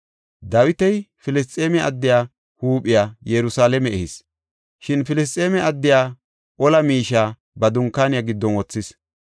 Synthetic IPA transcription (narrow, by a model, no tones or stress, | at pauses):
d̪ɐwɪt̪ɛjfɪlɪs̬t̪ʼːeːmɛʔɐ̰d̪ːɪjaː | huːpʼːɪjaːjɛɾʊsaːlɛmɛɛhɪs | ʃɪnfɪlɪs̬t̪ʼeːmɛɐd̪ːɪjaː | ʔɔlɐmiːʃaː | bɐd̪ʊŋkːaːnɪjaɡɪd̪ːɔnwɔt͡sːɪs